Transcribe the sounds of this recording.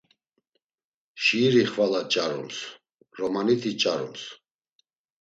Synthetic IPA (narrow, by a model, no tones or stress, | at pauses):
ʃiːɾiχvalat͡ʃʼaɾṵms | ɾɔmanit̪ʰit͡ʃʼaɾṵms